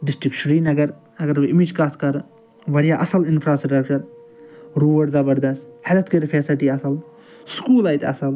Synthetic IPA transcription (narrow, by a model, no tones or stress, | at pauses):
ɖisʈikʃɾiːnɐɡɐɾ | ɐɡɐɾbɨimid͡ʒkaːst̪kɐɾ | ʋɐɾijaːʔɐsɐlinfʰɾaːsʈɾɐk̚t͡ʃɐɾ | ɾoːɐɽzɐbɐɾd̪ɐst̪hɐlɐt̪kɐɾfʰesɐʈiːɐsɐl | skuːlɐːjt̪ɐsɐl